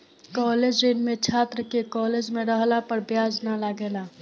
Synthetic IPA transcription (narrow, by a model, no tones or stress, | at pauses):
kɔːleːd͡ʒɾenmẽt͡ʃʰaːt̪ɾəkekɔːleːd͡ʒmẽɾəɦlapəɾbjaːd͡ʒnalaɡeːlaː